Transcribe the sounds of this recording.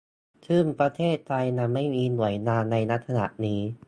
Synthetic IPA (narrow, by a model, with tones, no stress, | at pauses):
t̪ʰɯː˥˩mpɾa˧t̪ʰeː˥˩t̪̚ʰːa˧jna˧mːa˥˩jmiː˧nu˨˩˦əjnaː˧nːa˧jna˦˥t̪ʰsa˧na̰˨˩ʔniː˦˥